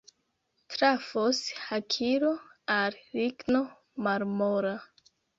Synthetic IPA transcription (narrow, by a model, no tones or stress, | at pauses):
tɾafoshakʰiɾoalɾiɡno | maɾmoɾa